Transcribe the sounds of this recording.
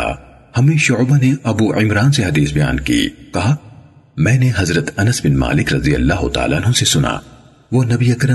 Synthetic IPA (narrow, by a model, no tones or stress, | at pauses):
a̰ | hɐmẽʃʊʕbaneɐbuːʔɪmɾaːnseɦɐd̪iːsbɐja̰ːnkḭːkɐɦa | mɛ̃ːneɦɐzɾət̪ɐnəsbɪnma̰ːlɪkɾɐd̪ijə̰lːaːɦʊ̰t̪a̰ːlaːnɦõsesʊna̰ː | ʋoːnɐbiɐkɾə